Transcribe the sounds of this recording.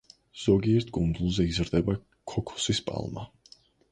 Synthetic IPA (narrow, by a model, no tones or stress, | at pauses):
z̥ɔɡiɛɾt̪ʰɡʼund̪zulˠzɛizɾd̪ɛba | kʰɔkʰɔ̥sispʼa̰lˠma